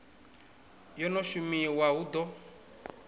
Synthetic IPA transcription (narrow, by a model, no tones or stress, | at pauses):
jɔnɔʃumiwaud̪ɔ